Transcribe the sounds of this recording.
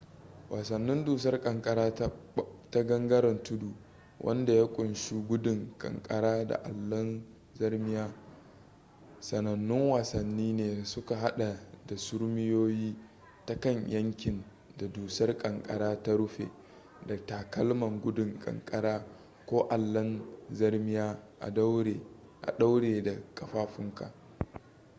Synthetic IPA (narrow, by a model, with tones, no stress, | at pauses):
wʔaː˨sɐ˨nːɪ˦nduː˨sɐ˦rkʼɐ˨ŋkʼɐ˦ɾaː˦ta˦ɡɐ˦ŋɡɐ˦ɾɐ˨ntʊ˦duː˨ | wʔɐ̰˦nda˨ja˦kʷʼʊ˨nʃu˦ɡʷʊ˦dʊ˨ŋkʼɐ̰˨ŋkʼɐ˦ɾaː˦da̰˨ʔa̰˨lːɐ˦n | zɐ˦rmɪ˦jaː˦ | sɐ˨nɐ˨nːɪ˦ŋwaː˨sɐ˨nːiː˦neː˨sʊ˦ka˨ɦa˦ɗa˨da˨sʊ˦ɽmɪ˦joː˦jiː˦ | ta˦kɐ˦˨ɲjʔɐ˦ŋkʲɪ˨n | da˨duː˨sɐ˦rkʼɐ˨ŋkʼɐ̰˦ɾaː˦ta˦ɽʊ˦ɸḛː˨ | dɐ˨taː˨kɐ˦lmɐ˨ŋɡʷʊ˦dʊ˨ŋkʼɐ̰˨ŋkʼɐ˦ɾaː˦ | kʷoː˦ʔa˨lːɐ˦nzɐ˦rmɪ˦jaː˦ʔa˨˦e˨ | ʔa̰˨ɗa˦wɽeː˨da˨kʼɐ˨ɸaː˦ɸɪ˦ŋka̰˨ʔ